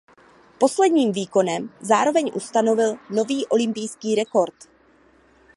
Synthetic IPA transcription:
po̞slɛdɲiːmviːko̞nɛmzaːɾo̞vɛɲʔust̪ano̞vɪlno̞viːʔo̞lɪmpɪjskiːɾɛko̞ɾt̪

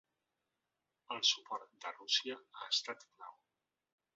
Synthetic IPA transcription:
əlˠsupɔɾt̪d̪ərusiəaəst̪at̪na̰w

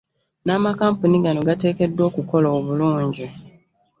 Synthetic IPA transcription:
naːmakaːmpuniɡano̞ɡate̞ːke̞dːwo̞ːkuko̞loːβuluːɲɟi

